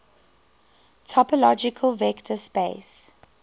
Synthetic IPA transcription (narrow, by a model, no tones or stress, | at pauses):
tʰɔpəlɔd͡ʒɪkʰəlˠvɛktʰəspes